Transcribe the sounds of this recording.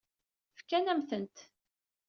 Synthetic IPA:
fkænæmθənt̪

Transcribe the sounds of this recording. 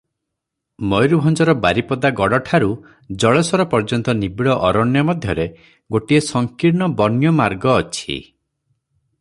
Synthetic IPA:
mɔjɾubʱɔnd͡ʒɔɾɔbaɾipɔd̪aɡɔɽɔʈʰaɾu | d͡ʒɔɭɔsɔɾɔpɔɾd͡ʒɔnt̪ɔnibiɭɔʔɔɾɔɳjɔmɔd̪ʱjɔɾe | ɡoʈiesɔŋkiɾɳɔbɔnjɔmaɾɡɔːt͡ʃʰḭ

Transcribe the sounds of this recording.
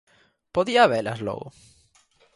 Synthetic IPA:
poðiaβela̰slo̰ɣo̰

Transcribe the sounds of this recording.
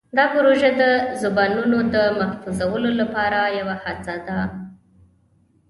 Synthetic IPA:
d̪ɑpʊɾoʒad̪əzʊbɑnunod̪əmahfuzawəlolapɑɾajawahazɑd̪a

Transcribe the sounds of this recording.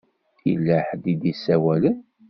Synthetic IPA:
θilːəħd̪id̪isːæwælən

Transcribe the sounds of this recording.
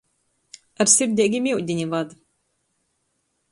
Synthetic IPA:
aɾsʲiɾd̪ʲɛɡʲimʲiwd̪ʲinʲivad̪

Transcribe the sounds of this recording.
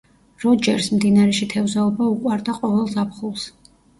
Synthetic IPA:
ɾɔd͡ʒɛɾsmd̪inaɾɛʃit̪ʰɛvzaɔbaukʼwaɾd̪aqʼɔvɛlˠzapʰχulˠs

